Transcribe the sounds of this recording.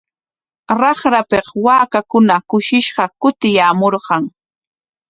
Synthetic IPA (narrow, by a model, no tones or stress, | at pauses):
ɾɑχɾapeqwaːkakʊnakʊʃɪʃɢɑkʊt̪ɪjaːmoɾɢɑŋ